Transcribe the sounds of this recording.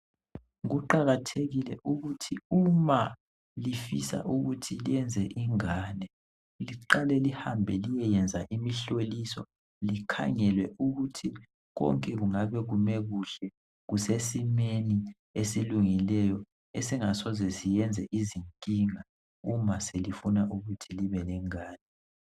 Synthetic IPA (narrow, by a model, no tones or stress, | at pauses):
ɣuǃaɣatʰeɣilɛʔuɣutʰiuma | lifisa̰ʔuɣutʰilijɛnd͡zʱɛʔiŋanɛ | liǃalɛlihambʱɛlijɛjɛnd͡zʱaʔimiɬolisɔ̰ | likʰa̰ŋɛlwɛuɣutʰi | ɣɔ̰ŋkʼɛɣuŋaβɛɣumɛɣuɬɛ | ɣusesimeni | esiluŋilɛjɔ | esiŋasɔzɛsijɛnd͡zʱɛʔiziŋkʼiŋa | umaselifunaʔuɣutʰiliβɛlɛŋaːnɛ